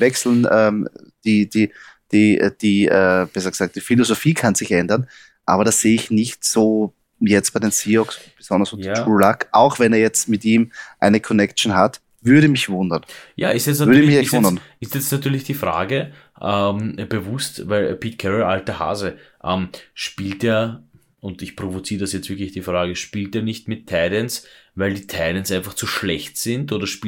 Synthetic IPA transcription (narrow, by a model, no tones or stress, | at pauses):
vɛksl̩nʔɛːm | d̥iːd̥iːd̥ḭːd̥iːɛːb̥esaksaːk̚d̥iːfilozofiːkʰanz̥ɪçʔɛndɐn | ʔa̰ːbɐɾasz̥eːɪçnɪçtsoː | jɛt͡st̚aɪdensiːɔksb̥əz̥ɔndɐsouːlakʔa̰ʊxvɛneːɐjɛt͡stmɪtiːmʔaɪnəkʰɔnɛkt͡ʃn̩ɦat | vʏɐɾəmɪçvʊndɐnja̰ːɪstɛsʏɐɾəɛmɪçɛvʊndɐn | ɪstjɛt͡snatyːɐlɪçd̥iːfʁa̰ːɡə | ʔɛmb̥əvʊstvæɪlpʰiːtkʰɛʁəlʔaltəha̰ːzəʔɛmʃpiːlteːɐ | ʊntɪçpʁ̥ovot͡siːʁədasjɛt͡stv̥ɪɐklɪçd̥iːfʁaːɡəʃpiːlteːɐnɪçtmɪtʰːɛɪdɛnsvæɪldiːtʰɛɪdɛnsʔaɪnfaχt͡suʃlɛçtz̥ɪntoːdɐʃpiː